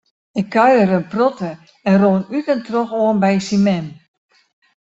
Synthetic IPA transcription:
ɪkʰːœɥəɾənprɔtə | ɛnroːənytəntroxoənbɛjsimɛm

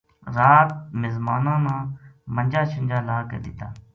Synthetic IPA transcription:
ɾaːt̪̚mɪzmaːnãːnãːmənd͡ʒaːʃənd͡ʒaːlaːkə̰d̪ɪt̪ːa̰ː

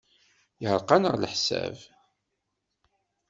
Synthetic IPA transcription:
jəhəɾqɑnəʁləħsæ̰v

